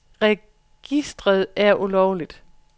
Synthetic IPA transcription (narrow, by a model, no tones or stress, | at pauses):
ʁɛ | ɡ̥isd̥ʁɐð̞̩ˠæɐʔulɒʊlid̥